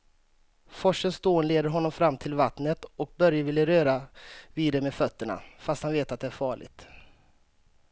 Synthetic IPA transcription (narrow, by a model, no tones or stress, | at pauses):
fɔʂːənst̪oːnleːd̪əɾɦɔnːɔmfɾamːt̪ʰɪlvat̪nət̪ɔk̚bœɾjəvɪlːəɾøːɾaviːd̪ɛmeːdfœt̪ːəɳa̰fast̪hanveːt̪at̪̚d̪ɛæɾfɑːɭɪ̰ɡ̚t̪